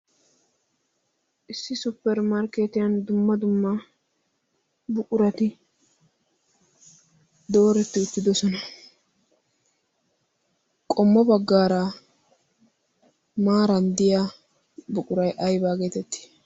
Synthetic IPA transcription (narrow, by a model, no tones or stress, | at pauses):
ʔɪsːɪsʊpːɛɾmɐɾkeːt̪ɪjɐnd̪ʊmːɐd̪ʊmːɐ | bʊkʼʊɾɐt̪ɪ | d̪o̞ːɾɛt̪ːɪʊt̪ːɪd̪ɔsɔnɐ | kʼɔmːɔbɐɡːaːɾa | maːɾɐnd̪ɪjaː | bʊkʼʊɾɐjʔɐjbaːɡeːt̪ɛt̪ːɪ̥